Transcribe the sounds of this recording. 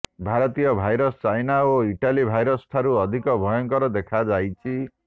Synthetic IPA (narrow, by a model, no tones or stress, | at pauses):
bʱaɾɔt̪ijʌbʱajɾɔst͡ʃajnaoiʈalibʱajɾʌsʈʰaɾuʌd̪ʱikɔbʱɔjɔŋkɔɾɔd̪ekʰad͡zajt͡ʃʰi